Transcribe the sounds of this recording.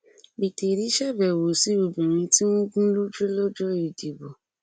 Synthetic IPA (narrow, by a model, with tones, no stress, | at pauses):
bi˨te˨ɾi˨˦ʃɛ˦˨bɛ˨wo˨si˨˦o˨bĩ˨ɾ̃ĩ˧ti˦mũ˦ɡũ˦lu˦d͡ʒe˦lo˦d͡ʒo˦i˨di˨bo˨